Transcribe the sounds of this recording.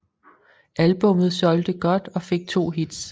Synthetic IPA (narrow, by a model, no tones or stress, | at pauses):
ʔælb̥ɔ̽mð̞̩ˠsɒ̽ld̥əɡ̥ɒ̽d̥ɒ̽fe̝ɡ̥̚t͡sʰo̝̰ːɦid̥s